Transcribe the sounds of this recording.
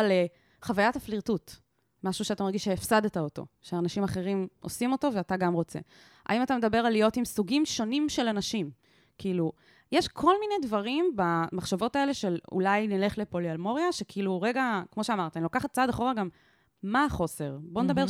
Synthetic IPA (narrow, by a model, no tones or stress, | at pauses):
ale | χavajatafliʁtut | maʃuʃeatamaʁɡiʃeefsadet̪aoto̞̰ʃeanaʃimaχe̞ʁimʔosimoto̞veataɡamʁo̞t͡sḛ | ʔa̰imatame̞d̪abe̞ʁalijo̞timsuɡimʃo̞nimʃelanaʃim | kiilu | jeʃkʰo̞lmine̞dvaʁimbamaχʃavo̞tae̞le̞ʃelṵlajnile̞χle̞polialmoʁjaʃekʰiiluʁeɡakmo̞ʃeamaʁtanilokaχat̚t͡sadaχo̞ʁaɡamː | aːχo̞se̞ʁbo̞ned̪abeʁ